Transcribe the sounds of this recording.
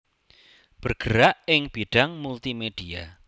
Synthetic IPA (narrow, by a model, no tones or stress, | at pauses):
b̥ərɡ̥əɾaʔɪŋb̥iɖ̥aŋmult̪imeɖ̥ia